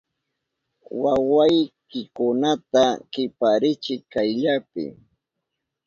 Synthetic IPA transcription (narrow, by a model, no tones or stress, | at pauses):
wawajkɪkʊnat̪akɪpaɾɪt͡ʃɪkajʎapɪ̰